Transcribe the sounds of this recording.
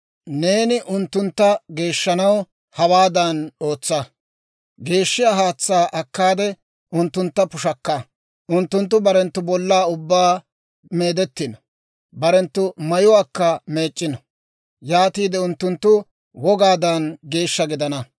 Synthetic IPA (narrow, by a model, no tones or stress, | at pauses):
ne̞ːnɪʔʊnt̪ːʊnt̪ːɐɡe̞ːʃːɐnɐw | hɐwaːd̪ɐnoːt͡sːɐ | ɡe̞ːʃːɪjaːɦaːt͡sːaːʔɐkːaːd̪ɛ | ʔʊnt̪ːʊnt̪ːɐpʊʃɐkːɐ | ʔʊnt̪ːʊnt̪ːʊbɐɾɛnt̪ːʊbɔlːaːʊbːaː | me̞ːd̪ɛt̪ːɪnɔ | bɐɾɛnt̪ːʊmɐjʊwaːkːɐme̞ːt͡ʃʼːɪnɔ | jaːt̪iːd̪ɛʊnt̪ːʊnt̪ːʊ | wɔɡaːd̪ɐnɡe̞ːʃːɐɡɪd̪ɐnɐ